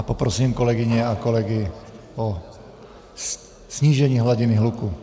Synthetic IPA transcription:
apɔpɾɔsiːmkɔlɛɡiɲɛakɔlɛɡi | ɔ | sɲiːʒɛɲiɦlaɟiniɦluku

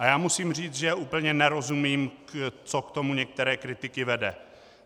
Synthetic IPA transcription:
ʔajaːmusiːmr̝iːt͡sʒɛʔuːpl̩ɲɛnɛɾo̞zumiːmt͡sokt̪o̞muɲɛk̚t̪ɛɾɛːkɾɪt̪ɪkɪvɛdɛ

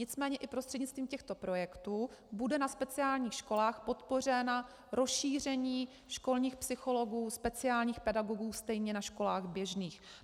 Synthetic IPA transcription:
ɲɪt͡smɛːɲɛʔɪpɾost̪r̥ɛdɲɪtt͡st̪viːmcɛxt̪o̞pɾo̞jɛkt̪uːbudɛnaspɛt͡sɪaːlɲiːxʃko̞laːxpo̞t̪po̞r̝ɛna | ɾosʃiːr̝ɛɲiː | ʃko̞lɲiːxpsɪxo̞lo̞ɡuːspɛt͡sɪaːlɲiːxpɛdaɡoɡuːst̪ɛjɲɛnaʃko̞laːɣbjɛʒniːx

